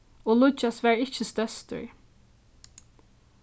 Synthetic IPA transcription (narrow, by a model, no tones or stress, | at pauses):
oːlʊt͡ʃɑsʋæːɹɪçəst̪œst̪ə̰ɹ